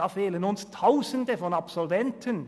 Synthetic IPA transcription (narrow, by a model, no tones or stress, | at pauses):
ɑːfeːlənʊnst̪ʰaʊsənd̪əfɔnɑpsɔlʋɛnt̪ʰən